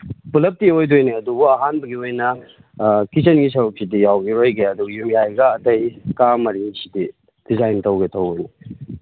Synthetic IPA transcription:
pulɐp̚tiojdojniɐdubuɐɦanbɐɡiojnɐ | kisenɡisɐɾuk̚sidijawɡiɾojɡeɐduɡjumjajɡɐːtʰɐjkamɐɾiŋisidi | d̥izajntɐwɡetʰɐwojni

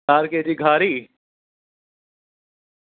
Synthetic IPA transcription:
aːɾked̪iɡʱaːɾiː

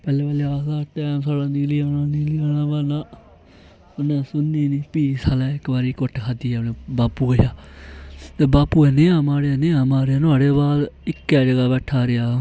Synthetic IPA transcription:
pɛːleːbaːliːaːdaːʈɛːmsaːɽãːniːliːaːnãːniːliaːnãːbaːnãː | ʊnɛ̃ːsʊnːiːniːpiːsʰaːlɛːɪkbaːɾiːkʊʈʰkʰaːd̪iːɛnẽːbaːpuːəjaː | t̪eːbaːpːuːɛːneːãːmaːɽeaːnẽːãːmaːɾeaːnʊaːɽeːbaːd̪ɪkːɛːd͡ʒəɡaːbɛːʈʰaːɾɪjaː

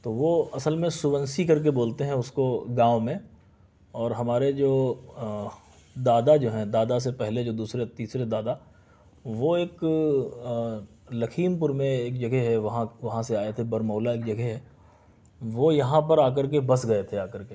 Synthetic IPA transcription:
t̪oːʋoɐsəlmẽsʊbə̃nsikɐɾk̬eboːlt̪eɦɛ̃ʊskoɡãːʋmẽ | ɔːɾɦɐmaːɾed͡ʒoː | d̪aːd̪ad͡ʒoːɦɛ̃d̪aːd̪as̬epɛɦled͡ʒoːd̪uːsɾet̪iːsɾed̪aːd̪a | ʋoeːk | lɐkʰiːmpʊɾmẽeːkd͡ʒɐɡʱɛɦɛʋɐɦãʋɐɦãseaːet̪ʰebɐɾmɔːlaeːkd͡ʒɐɡʱɛɦɛː | ʋojɐɦãpɐɾaːk̬əɾk̬ebɐsɡɐet̪ʰeaːkəɾke

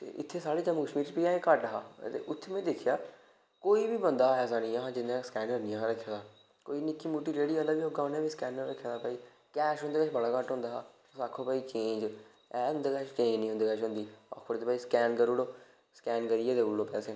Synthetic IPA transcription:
t̪ḛːʔɪt̪ʰːeːsaːɽiːd͡ʒəmːuːkəʃmiːɾt͡ʃpiːãːẽːkəʈːəɦaːt̪ḛːʔʊt̪ʰːemẽːd̪ɪkʰːjaː | koːiːbiːbənd̪aːɛːs̬aːnĩːəɦãːd͡ʒɪnːãːskɛ̃ːnkəɾnɪjãːɦɾəkʰːjaːd̪aː | koːiːnɪkːiːmuːʈiːɾeːɽiːəlːaɡʋiːoːɡaːnẽːbiːskɛːnːəɾəkʰːjãːd̪aːpaːiː | kɛːʃɦʊnd̪eːkɛːt͡ʃbəɽaːkəʈɦʊ̃nd̪aː | saːkʰõːpaːiːt͡ʃẽːnd͡ʒ | ɛːɦʊ̃nd̪eːkɛːʃt͡ʃẽːd͡ʒnĩːɦʊ̃nd̪eːkɛːʃɦʊ̃nd̪iːɔ̰ːkʰpəɾt̪eːpaːiːskɛːnkəɾuːɽoː | skɛːnkəɾiːɛːt̪eːʊlːõːpɛːseː

